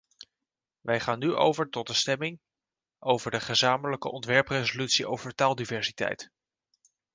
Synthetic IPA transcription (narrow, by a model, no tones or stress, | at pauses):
ʋɛjχaːnːyʔo̰wvəɹtɔt̚əstɛmɪŋ | ʔowvəɹdəχəzaːmələkə̰ʔɔntʋɛɹprezolytsiʔowvəɹtaːlˠdivɛɹsi̥tɛ̰jt